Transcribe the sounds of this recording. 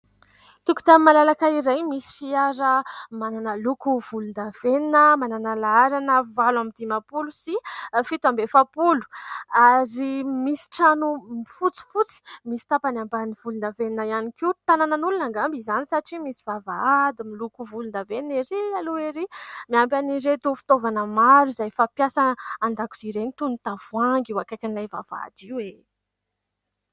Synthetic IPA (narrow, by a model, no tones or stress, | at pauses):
t̪uku̥t̪amimalalakaiɾajmisi̥fiaɾəmananəlukuv̥ulund̪av̥eninəmananəlaaɾanəvalamid̪imapulusifit̪uambefapulu̥aɾimisi̥ʈ͡ʂanumifut͡si̥fut͡si̥misi̥t̪apanambaniv̥ulund̪aveninajanikiwt̪anananulunaŋɡambizanisaʈ͡ʂimisivavaad̪imilukuvulund̪avenieɾialueɾimiampjaniɾet̪ufi̥t̪ovanəmaɾuzajfapjasanəand̪aku̥z̥iɾenit̪unt̪av̥waŋɡiwakajkʲanilajva̰va̰d̪iwe